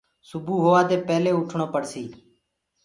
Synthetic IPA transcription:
sʊbuːɦoːʋaːd̪eːpɛːleːʊʈʰɳoːpəɽsiː

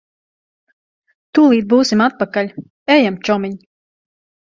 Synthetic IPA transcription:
t̪uːlˠiːd̪̚buːsimat̪̚pakalʲ | ɛjamt͡ʃɔmiɲ

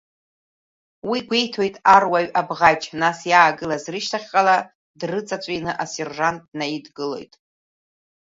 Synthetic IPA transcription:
wiɡʷe̞jtʰo̞jtʼarwaɥabʁat͡ʃʰʼnasjaːɡɨlazrɨʃtʰaχʲqʼala | drɨt͡sʼat͡sʷʼinɨʔase̞rʐantʼnaidɡɨlo̞̰jtʼ

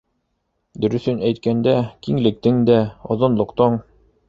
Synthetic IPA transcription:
d̪ɵ̆ɾɵ̆θɵnæjt̪̚kænd̪ækiŋlɘ̆k̚t̪ɘŋd̪æŏðŏnlˠŏqt̪ɤɴ

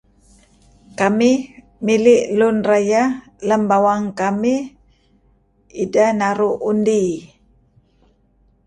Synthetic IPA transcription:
kami | milɪʔlunraja | ləmbawaŋkami | idanaɾuʔundi

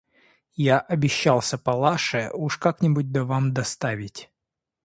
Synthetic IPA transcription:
jaʔɐbʲɪɕːalˠsʲəpɐlˠaʂɨuʂkaknʲɪbut̚ʲd̪ɐvamd̪ɐst̪avʲɪtʲ

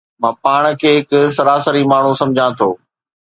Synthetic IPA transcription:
mãːpaːɽ̃̆kʰeːɦɪkʊsɐɾaːsəɾimaːɳ̤ũsɐ̃md͡ʑʱãt̪ʰoː

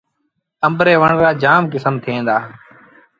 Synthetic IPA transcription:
əmbɾeːʋəɳkaːd͡ʒaːmkɪsəmt̪ʰɪẽːnd̪aː

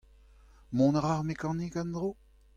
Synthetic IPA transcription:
mɔ̃nʁaʁmekɑ̃nikãnd̪ʁo

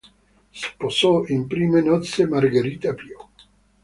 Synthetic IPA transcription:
sposoimpɾimenɔt̪semaɾɡeɾit̪apjo

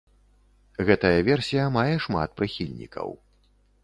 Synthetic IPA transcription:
ɣɛt̪ɐjɐvʲɛrsʲijɐmajɛʂma̰t̪̚pɾɨxʲilʲnʲḭkɐ̰w

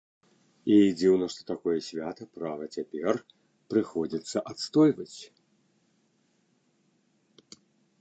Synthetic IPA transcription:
id͡zʲiwnɐʂt̪ɔ̥t̪akɔjɛsʲvʲat̪ɐpɾavɐt͡sʲapʲɛr | pɾɨxɔd͡zʲit̪sːɐʔat̪st̪ɔjvɐt͡sʲ

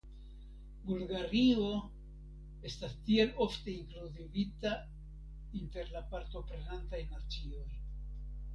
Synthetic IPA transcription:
bulɡaɾio̞ | e̞st̪ast̪ielo̞ft̪e̞iŋkluzivit̪a | int̪e̞ɾlapaɾt̪o̞pɾenant̪ajnat͡sio̞j

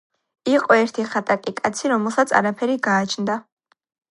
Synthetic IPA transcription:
iqʼɔɛɾt̪ʰiχat̪ʼakʼikʼat̪sʰiɾɔmɛlˠsat̪sʰa̰ɾapʰɛɾiɡaːt͡ʃʰnd̪a

